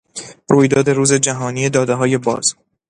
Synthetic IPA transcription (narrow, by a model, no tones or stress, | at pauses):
ɾuːjd̪ɒːd̪e̞ɾuːze̞d͡ʒæɦɒːniːed̪ɒːd̪eɦɒːje̞bɒ̰ːz̥